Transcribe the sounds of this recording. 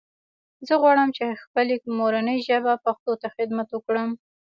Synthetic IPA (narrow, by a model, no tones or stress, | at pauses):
zəɣwɑɽəmt͡ʃexpəlemoɾanəjʒəbapaxt̪ot̪axɪd̪mat̪wəkɽəm